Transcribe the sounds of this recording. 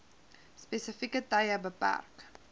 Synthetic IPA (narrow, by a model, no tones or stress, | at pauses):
spesəfikətɐjəbəpæ̰rk